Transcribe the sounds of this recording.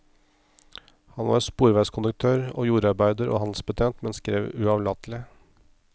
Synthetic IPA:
hɑnʋɑ̰ɾspuːɾʋæɪskʰʊnʉk̚t̪ʰøːɾo̰ːjuːɾɑɾbæɪd̪əɾʔo̰ːhɑnd̪lsbət̪ʰeːnt̪mɛnskɾeːʋʉɑʋlɑt̪lɪ

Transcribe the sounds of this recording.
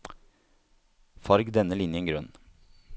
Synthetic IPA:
fɑɾɡd̪ɛnːəlɪnjəŋɡɾœn

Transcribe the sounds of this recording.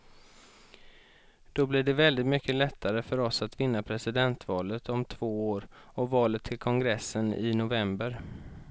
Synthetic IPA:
d̪̥ɔblɪɖɛvɛld̪ɪt̪mʏkʰːəlɛt̪ʰːaɾəfœɾɔsat̪vɪnːapʰɾɛsɪd̪ɛnt̪vɑːlət̪ʰɔmt̪ʰv̥oːoːɾɔvɑːlət̪ʰːɪlkʰɔŋɡɾɛsːənɪ̰nʊvɛmbəɾ

